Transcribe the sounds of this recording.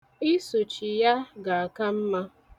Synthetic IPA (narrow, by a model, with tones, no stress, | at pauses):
i˦su˨t͡ʃi˨ja˦ɡa˨a˨ka˦m̩˦ma˦